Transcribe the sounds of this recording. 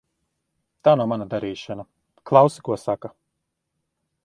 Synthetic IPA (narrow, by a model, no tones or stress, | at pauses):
t̪aːnumanad̪aɾiːʃana | klˠawsi̥kuɔsaka